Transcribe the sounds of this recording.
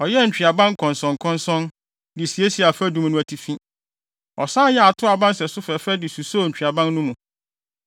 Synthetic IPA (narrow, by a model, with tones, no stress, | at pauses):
ɔ˨jɛ˦ɲ̩˨t͡ɕᶣi˨a˨bã˦ŋ˦kʰɔ̃˨nsɔ̃˨ŋ˨kʰɔ̃˦nsɔ̃˦n | dɪ˨si˨e˦si˨a˨fɛ˦dũ˦m˦nũ˦æ˨tʰi˨fĩ˦ | ɔ˨sãː˦jɛ˦a˨tʰʊ˦a˨bã˦nsɛ˨sʊ˦fɛ˨fɛ˦dɪ˨su˨so˦˨ɲ̩˨t͡ɕᶣi˨a˨bã˦nnʊ̃˦mũ˨